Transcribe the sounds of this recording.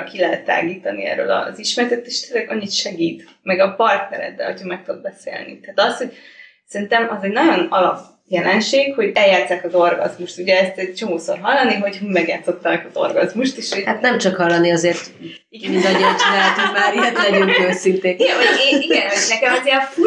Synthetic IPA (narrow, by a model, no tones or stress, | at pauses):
kilɛɦɛt̪ːa̰ːɡiːt̪ɒnḭɛ̰ɾø̰lɒ̰ziʃmɛɾt̪ɛt̪ːeːʃt̪ɛzɛɡɒɲːit̪ʃɛɡiːt̪ | mɛɡɒpɒrt̪nɛɾɛ̰d̪ːɛ̰locʰɒmɛk̚t̪ud̪̚bɛsḛːlnḭt̪aːt̪ɒsho̞ɟ | sɛɾint̪ɛmɒzɛɟnɒɟo̞nɒlɒb | jɛlɛnʃeːkho̞ɟɛljaːt̪saːkɒzo̞rɡɒ̰zmuʃt̪uɟɛɛst̪ɛt͡ʃo̞moːsorɦɒlːɒniɦo̞ɟɦumɛɡjaːt̪so̞t̪ːɒnɛkɒzo̞̰rɡɒzmuʃt̪eʃhat̪nɛmt͡ʃɒkhɒlːɒniɒzeːrt̪ | iɡɛmind̪ɒɲot͡ʃɔd̪aːlt̪umaːɾiɛt̪ɛdonøːsint̪eːiɡɛɒeiɡɛnɦɔnɛkɛmɒzeɒ